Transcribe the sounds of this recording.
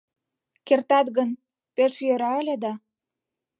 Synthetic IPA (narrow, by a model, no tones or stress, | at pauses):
kert̪ɑt̪ɣən | peʃjøɾɑelʲĕd̪ɑ